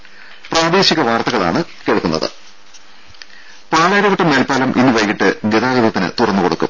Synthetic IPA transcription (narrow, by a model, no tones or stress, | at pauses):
praːd̪e̞ːɕiɣɐʋaːrt̪ɐɣɐɭa̰ːɳɨ | keɭkːunːɐ̰ðɨ̰ | paːɭɐjɾɐʋɐʈːɐmːeːlpaːlɐmʔḭnːɨʋɐjkːiʈːɨɡeðaːɣɐðɐt̪ːinɨ̰t̪urɐnːuɨkoɽukːṵm